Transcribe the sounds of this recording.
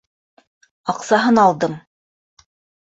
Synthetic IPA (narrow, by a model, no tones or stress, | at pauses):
ɑqsɑɦɤnɑlˠd̪ɤm